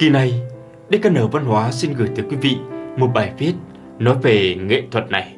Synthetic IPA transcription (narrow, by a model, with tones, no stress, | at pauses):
ki˨˩na˨˩j | ɗe˧˦ka˧nəː˨˩wva˧nhwaː˨˦si˧nɣɨː˨˧˩jt̪ʰɨ˨˦kwi˨˦vḭ˧˨mo˨˩t̚ɓaː˨˩jfi˦˥ət̚ | nɔ˨˦jve˨˩ŋḛ˧˨t̪ʰwə˨˩t̚na˨˩j